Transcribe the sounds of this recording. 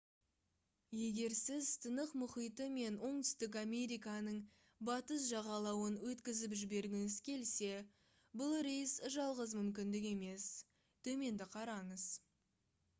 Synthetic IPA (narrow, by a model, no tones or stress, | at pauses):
je̞ɡʲe̞ɾsɪzt̪ʰənəqmʊχijt̪əme̞nwo̞ɴt̪ʏ̥st̪ɪk̬ame̞ɾijkɑnəɴ | bɑt̪əs̬ʒɑʁɑlˠɑwənwɵt̪kʲɪzɪpʒɪbe̞ɾɡʲɪnɪzkʲʰe̞lse̞ | bʊlˠɾejsʒɑlˠʁəzmʏmkʲɪnd̪ɪk̬e̞me̞s | t̪ʰɵme̞nd̪ɪqʰɑɾɑɴəz